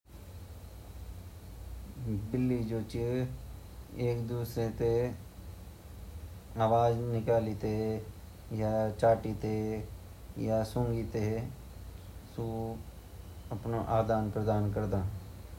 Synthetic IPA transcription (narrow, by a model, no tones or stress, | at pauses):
bɪlːid͡ʒoːt͡ʃi | eːkd̪uːsɾet̪e | aːʋaːd͡ʒnɪkaːliːt̪eɦe | jaːt͡ʃaːʈiːt̪e | jaːsõːŋɡiːt̪eɦ | soː | əpnoʔaːd̪aːnpɾəd̪aːnkəɾd̪ãː